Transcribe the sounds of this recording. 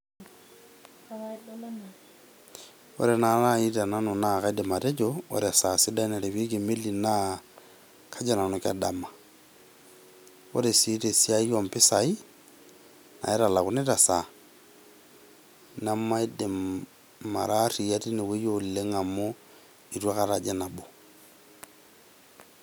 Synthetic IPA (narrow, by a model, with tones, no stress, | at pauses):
o̰˦ɾɛ˨na˨˦ɾa˦i˦ta˨na˦nu˨na˦˨ka˦i˦dɛ˨ma˨ɾe˦d͡ʒo˦o̰˦ɾɛ˨a˨sa˨sɪ˦da˦i˦na˨ɾe˨wi˦ki˨me˦li˨na˦ | kʰa˦d͡ʒa˦˨na˨nu˨ka̰˨da˨ma˨ | o̰˦ɾe˨si˦te˨si˦a˦jɔ˨mpɪ˦sa˨i˦ | na̰˨ɛ˦ɾa˨la˨kʊ˦ne˦ɾa˨sa˨ | na˦ma˦i˦de˨ | ma̰˨ɾa˦ri˨a˦ti˦ne˨we˦jo˨le˦ŋa˨mo˦ | i˨twa˦ka˨ɾa˨d͡ʒɛ˦na˨bo˨